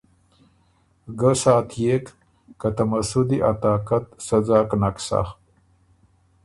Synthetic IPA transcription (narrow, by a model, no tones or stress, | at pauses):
ɡəsaːt̪jekː | at̪amasud̪iʔat̪aːkat̪sad͡zaːknaksa̰h